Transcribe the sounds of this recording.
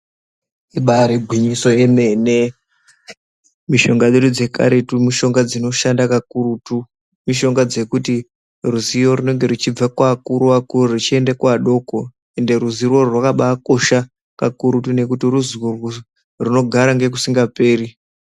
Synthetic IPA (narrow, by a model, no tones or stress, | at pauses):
iɓaɾeɡʱwiɲiso̞je̞me̞ne̞ | miʃo̞ŋɡaɗeɗud͡ze̞ka̰ɾetumiʃo̞ŋɡad͡zino̞ʃandakakurutu | miʃo̞ŋɡad͡ze̞kuti | ruzijo̞rune̞ŋɡe̞rut͡ʃib͡vakwakuɾuakurrit͡ʃie̞ndekwaɗo̞ko | e̞nde̞ɾuzirwo̞rwakaɓaːko̞ʃa | kakuɾutune̞kutiruziworwo | runo̞ɡʱaɾaŋɡe̞k̬usiŋɡape̞ːri